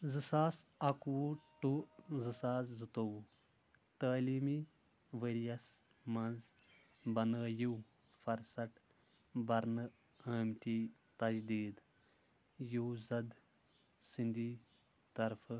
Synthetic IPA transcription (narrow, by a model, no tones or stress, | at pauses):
zɨsaːsɐkuwoʈuzɨsaːzzɨt̪ow | t̪əːliːmi | ʋəɾijɐs | mɐnz | bɐnəːjuw | fɐɾsɐʈ | bɐɾnɨ | ɐːmt̪ʲiː | t̪ɐd͡ʒd̪iːd̪ | juwzɐd̪ | sind̪iː | t̪ɐɾfɨ